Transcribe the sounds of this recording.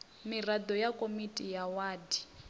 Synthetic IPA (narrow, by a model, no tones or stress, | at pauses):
mirad̪ɔjakʼomitʼijawaːdi